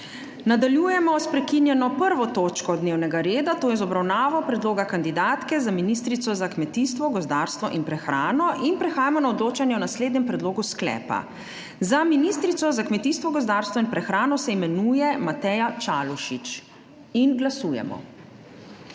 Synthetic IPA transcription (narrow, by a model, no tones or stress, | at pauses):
nad̪aljuːjɛmɔspɾɛkinjɛnɔpəɾʋɔt̪oːt͡ʃkɔd̪neːwnɛɡaɾeːd̪at̪oːjɛzɔbɾawnaːʋɔpɾɛd̪loːɡakand̪id̪aːt̪kɛzaminist̪ɾit̪sɔzakmɛt̪ist̪ʋɔɡɔzd̪aːɾst̪ʋɔ̰ʔinpɾɛxɾaːnɔʔinpɾɛxaːjamɔnaɔd̪loːt͡ʃanjɛɔnasleːd̪nɛmpɾɛd̪loːɡusklɛ̰ːpa̰ | zaminist̪ɾit̪sɔzakmɛt̪iːst̪ʋɔɡɔzd̪aɾst̪ʋɔinpɾɛxɾaːnɔsɛimɛnuːjɛmat̪ɛjat͡ʃaːluʃit͡ʃ | inɡlasuːjɛ̰mɔ̰